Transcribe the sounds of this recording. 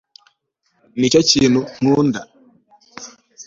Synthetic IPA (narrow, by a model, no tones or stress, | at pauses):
nit͡ʃat͡ʃinuŋ̥unda